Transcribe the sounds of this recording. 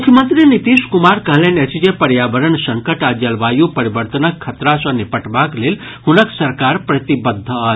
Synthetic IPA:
mukʰjəmənt̪ɾinit̪iʃkumaɾkəɦlẽnet͡ʃʰid͡ʒepɐɾjaʋəɾənsɐŋkəʈad͡ʒəlʋaːjupɐɾibəɾt̪ənəkʰːɐt̪ɾasɐ̃nipəʈbakleːl | hunəksɐɾkaːɾpɾɐt̪ibəd̪ʱːə

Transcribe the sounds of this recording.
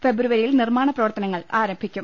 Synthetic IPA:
fe̞bɾuʋɐɾilnirmaːɳɐprɐʋɐrt̪ɐnɐŋːɐɭaːɾɐmbʱikʲːum

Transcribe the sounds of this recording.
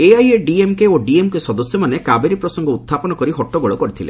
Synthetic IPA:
eajeɖiemkeoɖiemkesɔd̪ɔsjɔmanekabeɾipɾɔsɔŋɡɔut̪ʰːapɔnɔkɔɾiɦɔʈːɔɡoɭɔkɔɾit̪ʰilḛ

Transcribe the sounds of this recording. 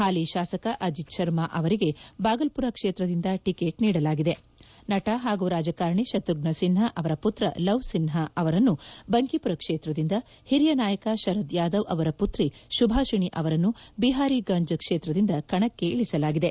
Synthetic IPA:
haːliʃaːsɐkɐʔɐd͡ʒit̪̚ʃɐɾmaʔɐʋɐɾiɡe̞baːɡɐlpuɾɐkʂeːt̪ɾɐd̪ind̪ɐʈikeːʈniːɽɐlaːɡid̪e̞ | nɐʈɐɦaːɡuɾaːd͡ʒɐkaːɾɳiʃɐt̪ɾuɡ̚nɐsinɦɐʔɐʋɐɾɐput̪ɾɐ̰lɐʋsinɦɐɐʋɐɾɐnːubɐŋkipuɾɐkʂeːt̪ɾɐd̪ind̪ɐ | hiɾijɐnaːjɐkɐʃɐɾɐd̪jaːd̪ɐʋʔɐʋɐɾɐput̪ɾiʃubʱaːʃiɳiʔɐʋɐɾɐnːubiɦaːɾiɡɐɲd͡ʒɐkʂeːt̪ɾɐd̪ind̪ɐkɐɳɐkːe̞ʔiɭisɐlaːɡid̪e̞

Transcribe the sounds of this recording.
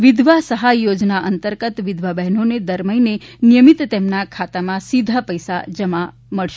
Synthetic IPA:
ʋid̪ʱʋasəɦajod͡ʒnaʔənt̪əɾɡət̪ʋid̪ʱʋabɛɦnoned̪əɾməjnenijəmit̪t̪emnakʰat̪amãsid̪ʱapəjsa̰d͡ʒəma | məɭʃe

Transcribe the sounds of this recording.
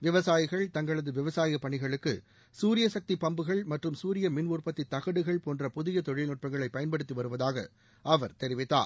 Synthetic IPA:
ʋɪʋɐsaːjɪɣɐɭt̪ɐŋɡɐɭɐðɯʋɪʋɐsaːjɪɐpːɐɳɪɣɐɭɯkːɯ̰ | suːɾɪjɐsɐk̚t̪ipɐmbɯɣɐɭmɐʈrɯmsuːɾɪjɐmɪnʋuːrpɐt̪ːɪt̪ːɐɣɐɽɯɣɐɭpoːndrɐpʊðɪjɐt̪ɔɻɪlnʊʈ̚pɐŋɡɐɭɐɪpːɐjɐnpɐɽɯt̪ːiʋɐɾɯʋɐðaːɣɐ̰ | ʔɐʋɐɾt̪ɛɾɪʋɪt̪ːa̰ːɾ

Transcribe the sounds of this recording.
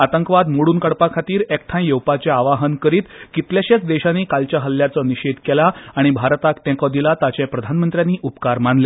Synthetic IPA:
at̪əŋkʋad̪moɽuːnkəɽpakʰat̪iːɾek̚ʈʰãj̃jəwpat͡ɕeaʋaɦənkəɾiːt̪kit̪ljaɕat͡sd̪eɕanːiːkalt͡ɕjaɦəlːjat͡sɔniɕed̪kɛlaːɽ̃ibʱaɾt̪akʈ̪ɛ̃kɔd̪ilat̪at͡ɕepɾəd̪ʱanmənt̪ɾjaniːʔupkaɾmanle

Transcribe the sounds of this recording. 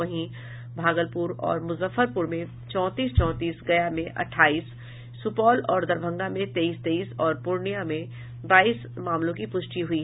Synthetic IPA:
ɐɦĩ | bʱaːɡəlpʊɾɔ̰ːɾmʊzəfəɾpʊɾmẽ | t͡ʃɔ̃ːt̪iːst͡ʃɔ̃ːt̪iːsɡɐjamẽʔɐ̰ʈʰːaːiːsː | ʊpɔːlɔːɾd̪ɐɾbʱə̃ŋɡamẽt̪eːiːst̪eːiːsɔːɾpʊɾɳijamẽ | baːiːsmaːmlõkipʊʃʈiɦʊiː

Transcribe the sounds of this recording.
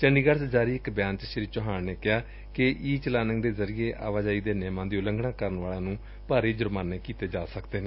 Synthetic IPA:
t͡ʃəɳɖiːɡəɾsd͡ʒaːɾiːɪkbjãːnt͡ʃʃɪɾiːt͡ʃɔɦaːnneːkɪɦaː | kɪʔiːt͡ʃəlaːnəŋd̪eːzəɾiːeːʔa̰ːʋaːd͡ʒaːiːd̪eːneːmãːd̪eːʊləŋɡɳãːkəɾənʋaːlãːnũː | paːɾeːd͡ʒʊɾmaːnːeːkiːt̪eːd͡ʒaːsəkd̪eːnẽː

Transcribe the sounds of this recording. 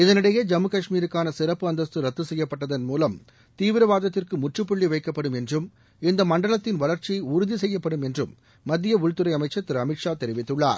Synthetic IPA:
ɪðɐnɪɽɐjeːd͡ʒɐmːɯkɐʂmiːɾɯkːaːnɐsɪɾɐpːɯɐnd̪ɐst̪ɯɾɐt̪ːɯsɛjːɐpːɐʈːɐðɐnmuːlɐm | t̪iːʋɪɾɐʋaːðɐt̪ːɪrkɯmʊʈrɯpːʊɭːiʋɐɪkːɐpːɐɽɯmɛndrɯm | ɪnd̪ɐmɐɳɖɐɭɐt̪ːɪnʋɐɭɐɾt͡ʃiʊɾʊðisɛjːɐpːɐɽɯmɛndrɯmː | ɐd̪ːɪjɐʊɻt̪ɯɾɐɪɐmɐɪt͡ʃːɐt̪ːɪɾɐmɪʈʂaːt̪ɛɾɪʋɪt̪ːɯɭːa̰ːɾ

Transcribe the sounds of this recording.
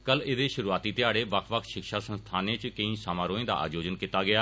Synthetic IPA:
kəlɪd̪eːʃʊɾuːaːt̪iːt̪ɪjaːɽeːʋəkʰʋəkʰʃɪkʃaːsə̃nst̪ʰaːnẽːt͡ʃkəĩːsaːmãːɾoːẽːd̪a̰ːʔa̰ːd͡ʒoːd͡ʒənkiːt̪aːɡɪjaː

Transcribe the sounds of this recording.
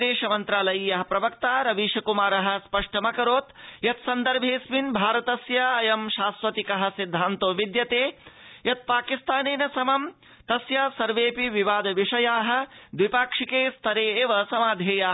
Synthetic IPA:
d̪eːʃɐmɐnt̪ɾaːlɐjːjɐɦɐpɾɐʋɐkt̪aːɾɐʋiʃɐkumaːɾɐɦɐ̆spɐʂʈɐmɐkɐɾoːt̪jɐt̪sɐnd̪ɐɾbʱeːsminbʱaːɾɐt̪ɐsjɐɐjɐmʃaːsʋɐt̪ikɐɦɐ̆sid̪ʱːaːnt̪oːʋid̪jɐt̪eːjɐt̪̚paːkist̪ʰaːneːnɐsɐmɐm | t̪ɐsjɐsɐɾʋeːpiʋiʋaːd̪ɐʋiʂɐjaːɦɐ̆d̪ʋipaːkʂikeːst̪ʰɐɾeːeːʋɐsɐmaːd̪ʱeːjaː

